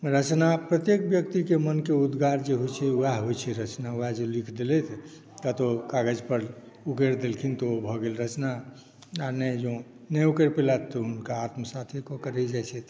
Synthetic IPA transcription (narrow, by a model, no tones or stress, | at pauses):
ɾət͡ʃnapɾət̪jekbjəkt̪ikemənkeud̪ɡaɾd͡ʒeɦojt͡ʃʰɛuaɦojt͡ʃʰɛɾət͡ʃnauad͡ʒelikʰd̪elɛt̪ʰ | k̪at̪okaɡəd͡ʒpəɾ | ukeɾd̪elkʰint̪obʱɔɡelɾət͡ʃna | anɛd͡ʒõ | nɛukeɾpilat̪ːɔɦunkaːt̪məsat̪ʰikɔkəɾɛd͡ʒajt͡ʃʰɛt̪